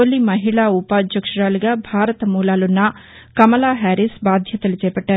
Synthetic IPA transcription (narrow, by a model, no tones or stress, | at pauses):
oːlimɐɦiɭaːupaːd̪ʱjɐkʂɐɾaːluɡaːbʱaːɾɐt̪ɐmuːlaːlunːɐ | kɐmɐlaːɦaːɾisbaːd̪ʱjɐt̪ɐlut͡ʃɛːpɐʈːaːɾuu